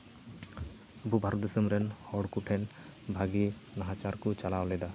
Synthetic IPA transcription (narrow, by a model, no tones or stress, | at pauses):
əbubʱaɾɔt̪̚d̪esəmɾɛnhɔɽkuʈʰɛn | bʱaɡinaɦat͡ʃaɾkut͡ʃalawlɛd̪a